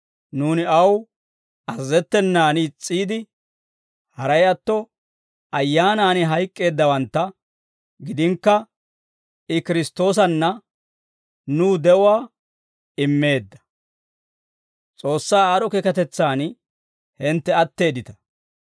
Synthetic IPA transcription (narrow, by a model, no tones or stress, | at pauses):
nuːnɪɐw | ɐzːɛt̪ːɛnːaːnt͡sʼːiːd̪ɪ | hɐɾɐjɐt̪ːɔ | ɐjːaːnaːnɪɦɐjkʼːe̞ːd̪ːɐwɐnt̪ːɐ | ɡɪd̪ɪŋkːɐ | ɪkɪɾɪst̪ːo̞ːs̬ɐnːɐ | nuːd̪ɛʔʊwaː | ɪmːe̞ːd̪ːɐ̥ | t͡sʼo̞ːsːaːaːɾɔkɛkɐt̪ɛt͡sːaːn | hɪnt̪ːɛɐt̪ːe̞ːd̪ɪt̪ɐ̥